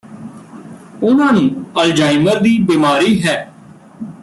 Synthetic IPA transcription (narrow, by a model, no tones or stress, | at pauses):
ʊnãːnũːəld͡ʒaːɪməɾd̪iːbiːmaːɾiːɦɛː